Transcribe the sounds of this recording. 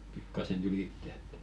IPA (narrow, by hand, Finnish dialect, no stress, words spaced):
pikːɑsen ylitːĕ et